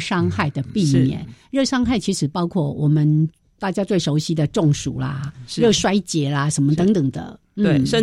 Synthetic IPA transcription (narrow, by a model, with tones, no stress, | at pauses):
ʂɑ˥ŋxa˥˩ɪd̪ə˩pi˥˨mjɛ̰˥˩˨nɻɤ˥˩ʂɑ˥ŋxa˥˩ɪt͡ɕʰi˧˥ʂɻ̩˨˩pɑ˥ʊkʰwɔ˥˩wɔ˨˩mə˦n | t̪a˥˩t͡ɕja˥t̪we˥˩ɪʂo˧˥ʊɕi˧˥d̪ə˨ʈ͡ʂʊ˥˩ŋʂṵ˨˩lɐ̰˦ɻɤ˥˩ʂwa˥ɪt͡ɕjɛ˨˥lɐ˦ʂə˧˦nmə˧ə˧˥ŋt̪ə˨˩ŋd̪ə̰˦ | n̩˥˩˧